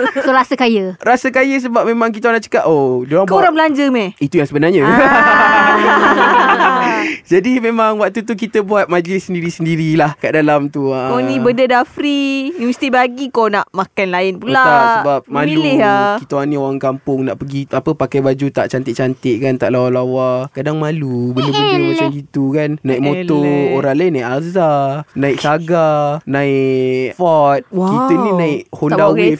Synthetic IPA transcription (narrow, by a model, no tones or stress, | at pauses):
soɾasəkajəɾasəkajəs̬əbap̚mẽmãŋk̬it̪aanaʔt͡ʃə̥kaʔodioaŋkoɾabəlaɲd͡ʒəmɛit̪ujaŋsəbənarɲə | d͡ʒadimẽmaŋwak̚t̪ut̪uk̬it̪əbuat̪̚mad͡ʒəlɪsːəndiɾisəndiɾilahkaʔdalamt̪uaonĩbəndədafɾiinəsi̥t̪ibaɡikonaʔmakanlaɪnpulak̪asəbap̚maluikit̪əanĩowaŋkampʊŋnaʔpəɡiapəpakajbad͡ʒut̪aʔt͡ʃant̪ɪʔ̚t͡ʃant̪ɪʔkant̪aʔlawalawakadaŋmalubələbələmat͡ʃamɡit̪ukannãiʔmot̪ooɾaŋlainaɪʔalzanãɪksaɡanãiʔfɔt̪̚kit̪ənĩnãɪʔhondaɡif